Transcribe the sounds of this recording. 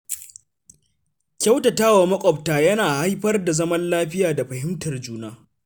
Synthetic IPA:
kʲa˦wtɐ˨taː˦wa˨mɐ˦kʷʼɔ˨p̚taː˨jɐ˦naː˨ha˦jɸɐ˦rda˨zɐ˦mɐ˦nlaː˦ɸɪ˦jaː˨da˨ɸɐ˨ɦɪ˦mtɐ˨rd͡ʒuː˦naː˦

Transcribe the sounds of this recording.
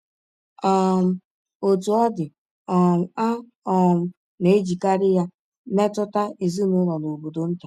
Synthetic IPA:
ɔ˦m̩˦ | o˨tu˨ɔ˦dɪ˨ | ɔ˨a˦ | ɔ˨m̩˨ | ne˨e˦d͡ʒi˨ka˦ɾɪ˦ja˦ | me˦tʊ˦ta˦e˨zi˦nʊ˦ɾɔ˨no˨bo˨do˨n̩˦ta˨

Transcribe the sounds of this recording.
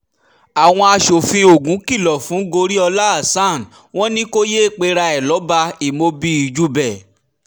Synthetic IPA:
a˨w̃ɔ̃˧a˧ʃo˨fĩ˧o˨ɡũ˨˦ki˦˨lɔ˨fũ˨˦ɡo˧ɾi˦ɔ˧la˦a˦˨sã˦˨n˨ | w̃ɔ̃˦nĩ˦ko˦je˦˨k͡pe˧ɾa˧ɛ˨lɔ˨˦ba˧i˨mo˧bi˦i˧˨d͡ʒu˦bɛ˨

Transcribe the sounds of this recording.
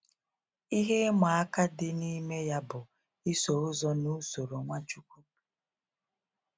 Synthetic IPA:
i˦ɦe˦ma˨a˦ka˦dɪ˦ni˦me˦ja˦bʊ˨ | i˦so˨ʊ˦zɔ˦nu˦so˨ɾo˨ŋʷa˦t͡ʃu˦kʷu˦

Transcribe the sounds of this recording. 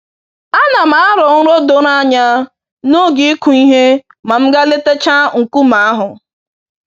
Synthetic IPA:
a˦na˨m̩a˨a˦ɾɔ˨ŋ̩˦ɾo˦do˦na˦ɲa˦ | no˦ɡi˦ku˨i˦ɦe˦ | ma˨m̩˦ɡa˦le˦te˦t͡ʃa˦ŋ̩˨ku˦ma˨a˦ɦʊ˨

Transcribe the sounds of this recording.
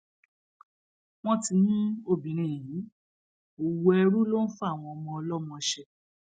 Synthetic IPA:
w̃ɔ̃˦ti˧nũ˦o˦˨bĩ˨ɾ̃ĩ˨jĩ˨˦ | o˨wo˧˦ɛ˧ɾu˦lo˦n̩˦fa˦˨w̃ɔ̃˧ɔ˧mɔ̃˧ɔ˧lɔ˦mɔ̃˧ʃɛ˧

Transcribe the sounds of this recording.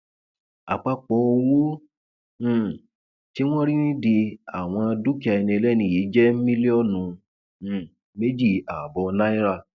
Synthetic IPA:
a̰˨k͡pa˧k͡pɔ˨˦o˧wõ˦˨ | ti˦w̃ɔ̃˦ɾi˦nĩ˦di˧a˨w̃ɔ̃˧a˧du˦ki˦a˧ɛ˧nĩ˧ɛ˧lɛ˦nĩ˧˨ji˨˦d͡ʒɛ˦mĩ˦li˦ɔ˦˨nũ˧˨ | me˦d͡ʒi˦˨a˨bɔ˧nã˦i˦ɾa˦˧

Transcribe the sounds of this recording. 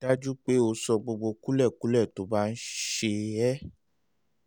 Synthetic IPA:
da˦d͡ʒu˦k͡pe˨˦o˧sɔ˧ɡ͡bo˧ɡ͡bo˧ku˦lɛ˦˨ku˨˦lɛ˦˨to˨˦ba˦n̩˦ʃe˧ɛ˦

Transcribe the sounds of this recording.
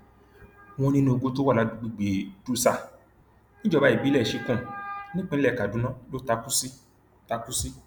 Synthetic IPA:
w̃ɔ̃˧nĩ˦nũ˧o˧ɡo˧˦to˦wa˦˨a˨˧˦dɡ͡bi˧˨ɡ͡be˨du˦sa˦˨ | nĩ˦d͡ʒɔ˦˧ba˨˦i˦˨bi˨˦lɛ˦˨ʃi˧kũ˦˨nĩ˦k͡pe˦ɛ˦˨ka˨dũ˨˦nã˦lo˦ta˧ku˦si˦ | ta˧ku˦si˦

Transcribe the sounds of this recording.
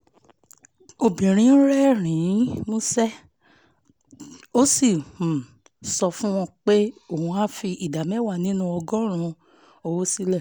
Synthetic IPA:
o˧bĩ˨ɾ̃ĩ˨˦ɾɛ˦˨ɾ̃ĩ˨˦mũ˦sɛ˦ | o˦si˦˨hũ˨ | sɔ˧fũ˦w̃ɔ̃˧k͡pe˦o˦˨ũ˧a˦fi˧ʔi˨da˨mɛ̃˦wa˦˨nĩ˦nũ˧ɔ˧ɡɔ̃˦ɾ̃ũ˧ | o˧wo˦si˦lɛ˦˨

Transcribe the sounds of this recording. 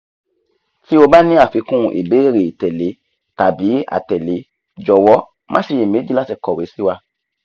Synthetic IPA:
fi˦o˧ba˦nĩ˦a˦˨fi˨˧˦kũ˦˨ʔḛ˨be˦ɾe˨tɛ˨le˨˦ | ta˨bi˨˦a̰˨tɛ˨le˨˦ | d͡ʒɔ˨wɔ˨˦ | mã̰˦ʃe˧je˨mẽ˨˦di˦la˦sɛ˦˨kɔ˨we˨˦si˦wa˧

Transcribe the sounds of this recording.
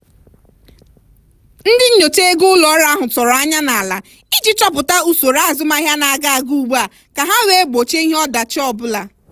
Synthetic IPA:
n̩˦dɪ˦ɲo˨te˦ɡʊ˦ʊ˦lɔ˨˦ɾa˨˦a˦ɦʊ˨tɔ˨ɾɔ˨a˦ɲa˦na˨la̰˨ | i˦d͡ʒi˦t͡ʃɔ˦pʊ˨ta˦u˦so˨ɾa˦a˨zʊ˦ma˦ɦja˦na˨a˨ɡa˦a˨ɡu˦˨ɡ͡ba˨ | ka˨ɦa˦we˦e˦ɡ͡bo˨t͡ʃe˦i˦ɦe˦ɔ˦da˨t͡ʃɔ˦bʊ˦la˨

